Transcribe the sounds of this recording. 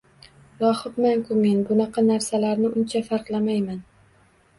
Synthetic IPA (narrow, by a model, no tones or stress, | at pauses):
lˠɒhɨt̪maŋkʰʊmenbʊnɑqʰɑnaɾsalaɾnɪʔʊnt͡ʃʰafaɾqlˠamajman